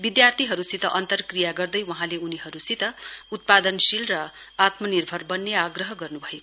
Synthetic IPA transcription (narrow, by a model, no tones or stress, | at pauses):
bid̪jart̪ʰiɦʌɾusit̪ʌʔʌnt̪ʌrkrijaɡʌrd̪ʌjwʌɦãleuniɦʌɾusit̪ʌut̪̚pad̪ʌnsilrʌ | at̪mʌnirbʱʌrbʌnːeaɡrʌɦʌɡʌrnubʱʌek